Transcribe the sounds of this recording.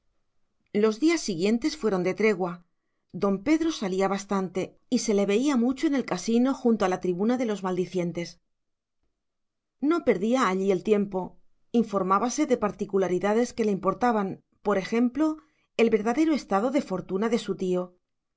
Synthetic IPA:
lo̞zðiasːiɣje̞nt̪e̞sfwe̞ɾo̞nd̪e̞t̪ɾe̞ɣwa | d̪o̞mpe̞ðɾo̞saliaβast̪ant̪e̞ | ise̞le̞βe̞iamut͡ʃo̞ene̞lkasino̞xunt̪oalat̪ɾiβunaðe̞lo̞zmald̪iθje̞nt̪e̞s | no̞pe̞ɾðiaːʎie̞lt̪je̞mpo̞ | iɱfo̞ɾmaβase̞ðe̞paɾt̪ikulaɾiðaðe̞ske̞leimpo̞ɾt̪aβan | po̞ɾe̞xe̞mplo̞ | e̞lβe̞ɾðaðe̞ɾoe̞st̪aðo̞ðe̞fo̞ɾt̪unaðesut̪io̞

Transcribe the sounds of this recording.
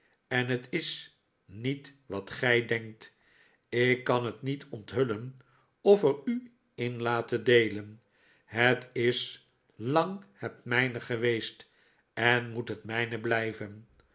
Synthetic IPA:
ɛnɦətɪs | nitʋɑtχɛjdɛŋk̚t | ɪkːɑnɦətnitʰɔntɦɵlən | ɔfəɾy | ɪnlaːtədejlən | ɦətɪs | lɑŋhətmɛjnəχəʋejst | ɛnmutɦətmɛjnəblɛjvən

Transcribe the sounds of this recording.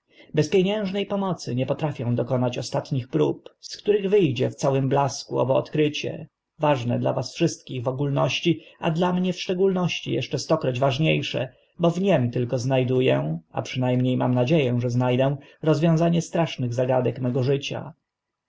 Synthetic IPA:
bɛspʲjeɲɛ̃w̃ʐnɛjpɔmɔt̪sɘɲɛpɔt̪ɾafʲjɔ̃w̃d̪ɔkɔnat͡ɕɔst̪at̪ɲixpɾupskt̪uɾɘɣvɘjd͡ʑɛft̪sawɘmblaskuɔ̰bɔ̰ːt̪kɾɘt͡ɕɛ̰ | vaʐnɛ̰d̪la̰vasfʂɘst̪̚kʲiɣvɔɡulnɔɕt͡ɕia̰d̪lamɲɛfʂt͡ʂɛɡulnɔɕt͡ɕḭjɛ̰ʂt͡ʂɛst̪ɔkɾɔd͡ʑvaʐɲejʂɛ̰ | bɔvɲɛmt̪ɘlkɔznajd̪ujɛ̃a̰pʂɘnajmɲejma̰mnad͡ʑejɛ̃ʐɛznajd̪ɛ̃ | ɾɔzvʲjɔ̃w̃zaɲɛst̪ɾaʂnɘɣzaɡad̪ɛkmɛɡɔʐɘt͡ɕa̰

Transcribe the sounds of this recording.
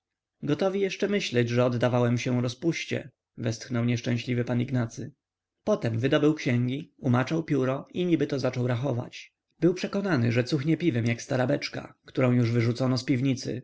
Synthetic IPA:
ɡɔt̪ɔvʲijɛʂt͡ʂɛmɘɕlɛd͡ʑʐɛɔd̪d̪avawɛmɕɛɾɔspuɕt͡ɕɛ̰ | vɛst̪xnɔwɲɛʂt͡ʂɛ̃ɕlʲivɘpaniɡnat̪sɘ | pɔt̪ɛmvɘd̪ɔbɘwkɕɛŋɡʲiumat͡ʂawpʲjuɾɔiɲibɘt̪ɔzat͡ʂɔwɾaxɔva̰t͡ɕ | bɘwpʂɛkɔnanɘʐɛt̪suxɲɛpʲivɛmjakst̪aɾabɛt͡ʂka̰kt̪uɾɔ̃w̃juʐvɘʐut̪sɔnɔspʲivɲit̪sɘ̰

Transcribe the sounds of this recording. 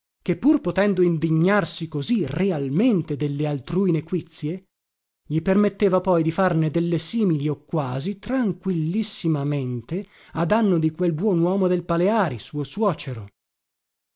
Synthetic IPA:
kepːurpot̪ɛnd̪oind̪iɲːarsikozirealment̪ed̪elːealt̪ɾuːinekwit̪sːje | ʎipermet̪ːeːvapɔjd̪ifarned̪elːesiːmiliokːwaːzit̪ɾaŋkwilːisːimament̪e | ad̪anːod̪ikwelbwɔnwɔːmod̪elpaleaːɾisuːoswɔːt͡ʃeɾo

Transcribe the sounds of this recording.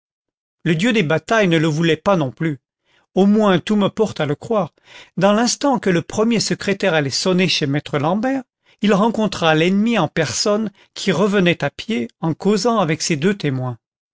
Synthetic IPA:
ləd̪jød̪ebat̪ajnələvulɛpanɔ̃ply | omwɛ̃t̪uməpɔʁt̪aləkχwaːʁ | d̪ɑ̃lɛ̃st̪ɑ̃kələpχəmjesəkχet̪ɛʁalɛsɔneʃemɛt̪χəlɑ̃bɛʁ | ilʁɑ̃kɔ̃t̪χalɛnmiɑ̃pɛʁsɔn | kʲʰiʁəvənɛt̪apjeɑ̃kozɑ̃avɛksed̪øt̪emwɛ̃

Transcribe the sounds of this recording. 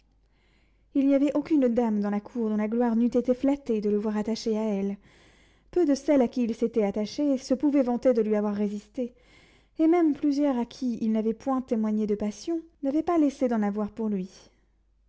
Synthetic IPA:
ilniavɛʔokʲynd̪amd̪ɑ̃lakʰuʁd̪ɔ̃laɡlwaʁnyt̪et̪eflat̪ed̪ələvwaʁat̪aʃeaɛl | pød̪əsɛlakʲiːlset̪ɛat̪aʃesəpuvɛvɑ̃t̪ed̪əlɥiavwaʁːezist̪eː | mɛmplyzjœʁakʲʰiilnavɛpwɛ̃t̪emwaɲed̪əpasjɔ̃navɛpalesed̪ɑ̃navwaʁpuʁlɥi

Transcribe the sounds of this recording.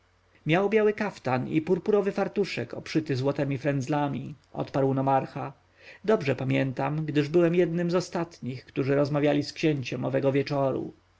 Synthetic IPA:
mʲjawbʲjawɘkaft̪anḭpuɾpuɾɔvɘfaɾt̪uʂɛkɔpʂɘt̪ɘzwɔt̪ɛmʲifɾɛnd̪zlamʲḭʔɔ̰t̪paɾwnɔmaɾxa | d̪ɔbʐɛpamʲjɛnt̪amɡd̪ɘʐbɘwɛmjɛd̪nɘmzɔst̪at̪ɲixkt̪uʐɘɾɔzmavʲjalʲiskɕɛɲt͡ɕɛmɔvɛɡɔvʲjɛt͡ʂɔɾṵ

